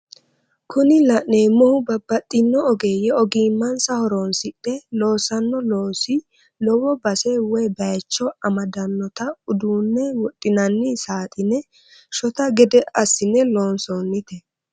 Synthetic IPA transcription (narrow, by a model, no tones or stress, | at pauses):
kʰʊnɪlɐʔneːmːɔhʊbɐbːɐt̪ʼːɪnːɔɔɡeːjɛɔɡiːmːɐnsɐhɔɾoːnsɪᶑɛlo̞ːsɐnːɔlo̞ːsɪ | lɔwɔbɐsɛwɔjbɐjt͡ʃːɔɐmɐd̪ɐnːɔt̪ɐʊd̪uːnːɛwɔtʼːɪnɐnːɪsaːt̪ʼɪnɛ | ʃɔt̪ɐɡɛd̪ɛʔɐsːɪnːɛlo̞ːnsoːnːɪt̪ɛ